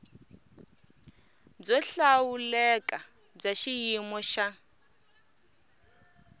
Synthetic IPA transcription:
d͡zɔɬawulɛkʼa | b͡ʐaʃijimɔʃa

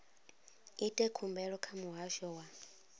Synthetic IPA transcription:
itʼɛkʰumbɛɺɔkʰamuɦaʃɔwa

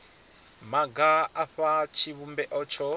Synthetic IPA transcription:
maɡaaɸat͡ʃʰiβumbɛʔɔt͡ʃʰɔ

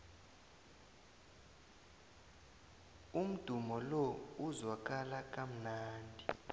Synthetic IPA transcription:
um̩d̥ʱumɔlɔuzwak̬ʼalak̬ʼam̩naːndʱi

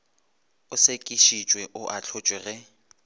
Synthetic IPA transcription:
ʊsekʼiʃit͡ʃʼwɛʔʊʔat͡ɬʰʊt͡ʃʼwɛɣɛ

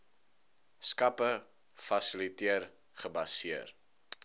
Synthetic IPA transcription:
skɐpə | fɐsilitiər | χəbɐsiər

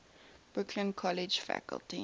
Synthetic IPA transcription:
b̥ɹʊkʰlə̃nkʰɔlɪd͡ʒfæ̰kə̰lˠti

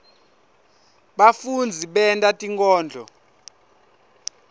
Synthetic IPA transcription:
ɓafund͡zʱiɓɛntʼatʼiŋkʼɔːnd͡ɮʱɔ

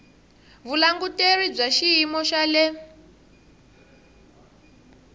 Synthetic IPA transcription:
βulaŋɡuterib͡ʐaʃiɦimɔʃalɛ

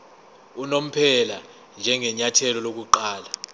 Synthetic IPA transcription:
unom̩pʰɛla | nd͡ʒʱɛŋɛɲatʰɛlɔlok̬uǃaːla

